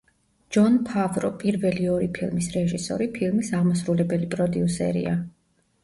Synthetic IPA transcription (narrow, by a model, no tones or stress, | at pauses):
d͡ʒɔnpʰavɾɔpʼiɾvɛliɔɾipʰilˠmisɾɛʒisɔ̰ɾipʰilˠmisaʁmɔsɾulɛbɛlipʼɾɔd̪iusɛ̰ɾḭa